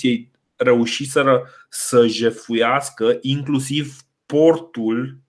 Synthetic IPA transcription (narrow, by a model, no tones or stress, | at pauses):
ije̞j | re̞uʃiseɾə | səʒe̞fujaskəʔiŋklusiv | po̞rt̪ul